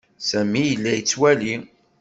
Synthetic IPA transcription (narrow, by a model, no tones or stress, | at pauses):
sæmijəlːæjət͡sːwæli